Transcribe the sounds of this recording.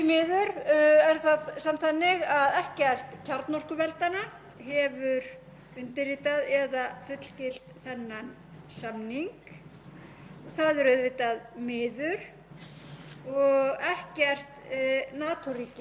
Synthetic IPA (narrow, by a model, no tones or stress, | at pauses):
mɪːðʏɾɛɾ̥θaðsamt̪θanːɪɣaðɛhcɛr̥t̪cʰaɾt̪nɔr̥kʏvɛlt̪ana | ɦɛvʏɾ | ʏnt̪ɪɾiːt̪aðɛðafʏt̪l̥cɪl̥t̪θɛnːan | samniŋk | θaðʏɾœðvɪt̪aðmɪːðʏɾ̥ | ɔɣɛhcɛr̥t̪naːt̪ʰuɾiːcɪ